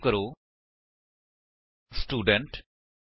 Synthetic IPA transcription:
kəɾoː | sʈuːɖəɳʈ

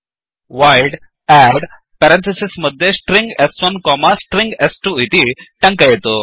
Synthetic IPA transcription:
ʋajɖ | ɛɽ | pɛɾẽnt̪ʰisisməd̪ʱːjesʈɾĩŋɡɛsɔnkɔmasʈɾĩŋɡɛsʈuit̪iʈə̃ŋkəjet̪o

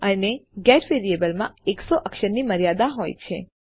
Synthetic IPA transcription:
əneɡɛʈʋeɾiebəlmã̰eksoʔəkʃəɾniməɾijad̪aɦojt͡ʃʰḛ

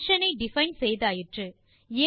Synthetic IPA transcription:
ʂɐnɐɪɖɪfɐɪnsɛjðaːjɪʈrɯ | eː

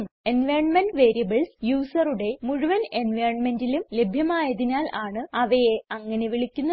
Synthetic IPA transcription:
menʋɐːrɳmɐnɖʋe̞ːɾijɐbɐɭsjuːsɐruɽe̞muɻuʋɐnenʋɐrɳmendilumle̞bʱjɐmaːjɐðinaːlaːɳɨɐʋɐjeɐŋːɐne̞ʋiɭikʲːunːɐ

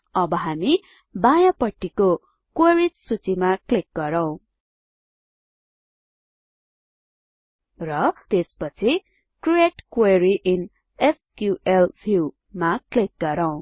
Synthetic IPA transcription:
ʌbʌɦami | bajãpʌʈːiko | kweɾitsut͡simaklik̚ɡʌɾʌw̃ | rʌt̪espʌt͡sʰi | krieʈkweɾiʔin | eskjuʔelbʰʱu | maklik̚ɡʌɾʌw̃

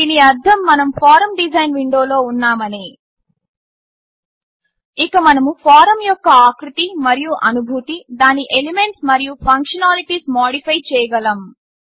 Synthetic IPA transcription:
iniɐɾd̪ʱɐmːɐnɐmpʰaːɾɐmɖid͡ʒɐjnʋiɳɖo̞ːlo̞ːunːaːmɐneː | ikɐmɐnɐmupʰaːɾɐmjɔkːɐaːkɾut̪imɐɾijuʔɐnubʱut̪id̪aːniʔeleme̞ɳʈsmɐɾijupʰɐŋkʂɐnaːliʈiːsmaːɽipʰɐjt͡ʃɛːjɐɡɐlɐm

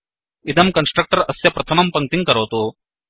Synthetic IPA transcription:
id̪ɐmkɐnsʈɾɐk̚ʈɐɾɐsjɐpɾɐt̪ʰɐmɐmpɐŋ̚t̪iŋkɐɾoːt̪o

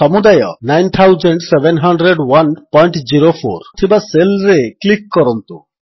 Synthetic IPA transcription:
sɔmud̪ajɔnajnt̪ʰawzəɳɖsebenɦɔɳɖɾeɖwanpɔjɳʈd͡ʒiɾofʰo̰ɾt̪ʰibaselɾeklikːɔɾɔnt̪u

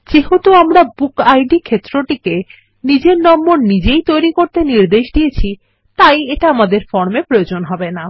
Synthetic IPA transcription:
d͡ʑeɦot̪oamɾabukajɖikʰet̪ːɾoʈike | nid͡ʑeɾnɔmːoɾnid͡ʑejt̪ojɾikoɾt̪eniɾd̪eʃd̪ijet͡ɕʰi | t̪ajeʈaamad̪eɾfɔɾmepɾojod͡ʑonɦɔbena

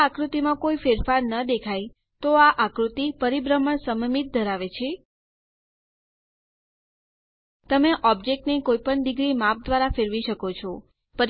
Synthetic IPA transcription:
akɾut̪imãkoifeɾfaɾnəd̪ekʰaj | t̪oaʔakɾut̪ipəɾibɾəməɳsəməmit̪̚d̪ʱəɾaʋet͡ʃʰe | t̪əmeʔɔb̚d͡ʒek̚ʈnekojpəɳd̪iɡɾimap̚d̪ʋaɾafeɾʋiʃəkot͡ʃʰo | pəɾ

